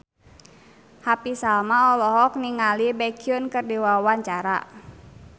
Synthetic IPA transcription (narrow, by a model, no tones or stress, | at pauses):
hapisalmaɔlɔɦɔk̚niŋalibɛkiunkɨrdiwawaɲt͡ʃaɾa̰